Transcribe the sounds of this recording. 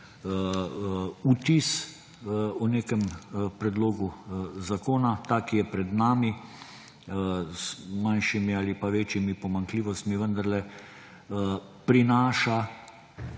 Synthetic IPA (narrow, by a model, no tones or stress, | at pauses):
ut̪is | ɔneːkɛmpɾɛd̪loːɡuzakoːnat̪aːkijɛpɾɛd̪naːmi | zmanʃimiaːlipaʋeːt͡ʃjimipɔmaŋkliːʋɔst̪miʋənd̪aɾlɛ | pɾinaːʃa